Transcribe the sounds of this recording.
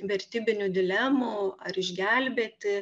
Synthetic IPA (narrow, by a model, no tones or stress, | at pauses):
ʋʲɛɾʲt̪ʲiːbʲɪnʲʊd̪ʲɪlʲɛmuɐɾɪʒʲɡʲælʲbʲeːt̪ʲɪ